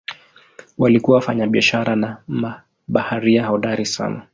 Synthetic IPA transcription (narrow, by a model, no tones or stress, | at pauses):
walikuawafaɲaɓiaʃaɾanama | ɓahaɾiahaɔɗaɾisa̰na